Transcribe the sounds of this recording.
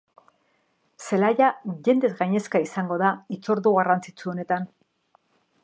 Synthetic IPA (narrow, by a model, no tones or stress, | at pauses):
se̞lajaʝe̞nd̪e̞zɣajɲe̞skaisaŋɡo̞ðait͡so̞ɾðuɣarant͡sit͡suo̞ne̞t̪an